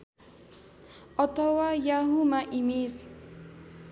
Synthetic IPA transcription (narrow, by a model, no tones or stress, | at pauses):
ʔɔt̪ɔwajaɦumaʔimes